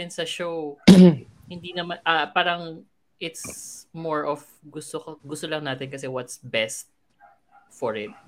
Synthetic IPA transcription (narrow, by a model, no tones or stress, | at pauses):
ɪnsɐʃow | hɪnd̪inɐmanʔapaːɾɐŋ | ʔɪt̪smɔɹʔɔf | ɡʊst̪okoɡʊst̪olɐŋnaːt̪ɪnkɐsɛwɐt̪sbɛst̪̚ | fɔɹɪt̪̚